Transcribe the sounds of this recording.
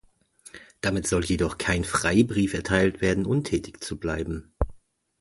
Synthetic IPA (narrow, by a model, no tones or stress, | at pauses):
d̥amɪtz̥ɔljedɔχkʰaɪnfʁ̥aɪbʁiːfɛɐtʰaɪltv̥eːɐdn̩ʔʊntʰɛːtɪçt͡sublaɪbm̩